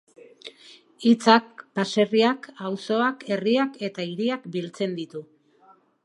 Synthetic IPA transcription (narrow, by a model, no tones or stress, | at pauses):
it͡sak̚pase̞riakawso̞ake̞riake̞t̪aiɾiakbilt͡se̞nd̪it̪u